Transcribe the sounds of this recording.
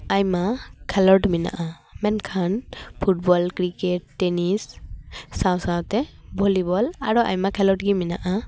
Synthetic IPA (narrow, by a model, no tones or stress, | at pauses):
ajmakʰɛlɔʈmina̰ʔa | mɛnkʰanpʰut̚bɔlkɾikɛʈːenisː | awsawtɛbʱɔlibɔlaɹuʔa̰jmakʰɛlɔʈɡimina̰ʔa